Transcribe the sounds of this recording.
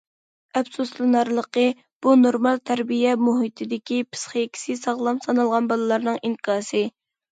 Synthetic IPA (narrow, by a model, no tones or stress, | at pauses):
ɛbsuslɨnɑɾlˠəqə | b̥unoɾmɑlˠt̪ʰæɾbijɛmuɦit̪ʰɪd̪ɪkʲipʰɨ̥sχəjekʲʰi̥sɪsɑʁlˠɑmsɑnɨlˠʁɑnbɑlˠɨlˠɑɾnɨŋiŋkʰɑːsɨ